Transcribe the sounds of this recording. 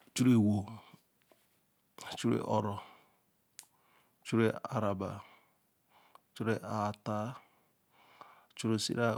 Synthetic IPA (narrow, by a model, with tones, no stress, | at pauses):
t͡ʃu˦ɾe˦wo˨ | t͡ʃu˦ɾḛ˨ʔɔ˦˨ɾɔ˨ | t͡ʃu˦ɾe˦a̰˨ɾa˨ba̰˨ | t͡ʃu˦ɾe˨ʔa˨ta˦˨ | t͡ʃu˦ɾe˦˨sḭ˦ɾa˦